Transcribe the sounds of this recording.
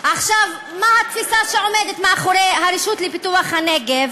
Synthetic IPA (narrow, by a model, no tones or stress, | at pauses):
ʔaχʃav | mahat̪fisaʃeo̞med̪et̪maːχoɾeɦaɾiʃut̪lepit̪uaχhaneɡev